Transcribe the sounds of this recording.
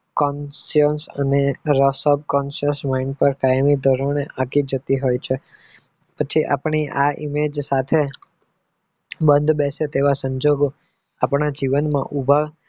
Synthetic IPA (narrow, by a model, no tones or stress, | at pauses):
kɔnsiənsə̰neɾəsɔb̚kɔnʃəsmaiɳɖpəɾkajmid̪ʱɔɾoneʔakid͡ʒət̪iɦojt͡ʃʰe | pət͡ʃʰiʔa̰pɳiʔaimed͡ʒsat̪ʰe | bənd̪ʱbɛset̪eʋasəɲd͡ʒoɡo | apɳad͡ʒiʋənmã̰ʔubʱa